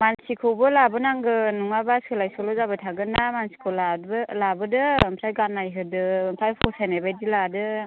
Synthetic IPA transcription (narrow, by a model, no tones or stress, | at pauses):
mansikʰɯwbɯlabɯnaŋɡɯnuŋabaskʰɯlajsɔlɔzabɯtʰaɡɯnamansi̥kʰɯwlabɯlabɯdɯmpʰɾajɡanːajɦɯdɯmpʰajpʰɔsʰajnajbajdiladɯ